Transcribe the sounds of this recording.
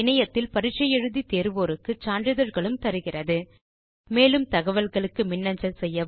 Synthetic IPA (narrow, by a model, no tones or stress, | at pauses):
ɪnɐjɐt̪ːɪlpɐɾɪʈt͡ʃːɐjɛɻɯðit̪eːɾɯʋoːɾɯkːɯt͡ʃaːɳdrɯðɐɾɣɐɭɯmt̪ɐɾɯɣɪrɐðɯ | meːlɯmt̪ɐɣɐʋɐlɣɐɭɯkːɯmɪnːɐɲd͡ʒɐlsɛjːɐ